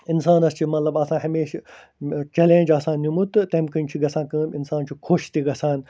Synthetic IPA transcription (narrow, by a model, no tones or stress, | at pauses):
ɪnsaːnɐst͡ʃʰimɐt̪lɐbɐsãːɦɐmeːʃ | t͡ɕɛlẽːnʲd͡ʒɐsãːnumut̪t̪ɐmkɐ̃nt͡ʃʰiɡɐsãːkə̃ːmɪnsaːnt͡ʃʰukʰoːʃt̪iɡɐsãːn